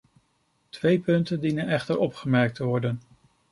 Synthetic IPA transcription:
tʋejpɵntəndinənɛχtəɹɔpχəmɛɹk̚tʰəʋɔɹdən

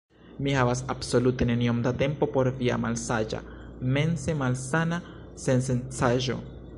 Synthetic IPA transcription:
mihavas̬abso̞lute̞ne̞niomd̪ate̞mpo̞po̞ɾvia̰malsad͡ʒa̰ | me̞nse̞malsana | se̞nsent͡saʒo̞̰

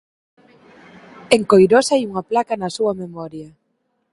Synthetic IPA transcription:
eŋkojɾosaajuŋɐplakɐnɐsuɐmemɔɾjɐ

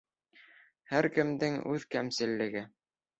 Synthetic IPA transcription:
hæɾkɘ̆md̪ɘŋʉðkæmsɘ̆lːɘ̆ɡɘ

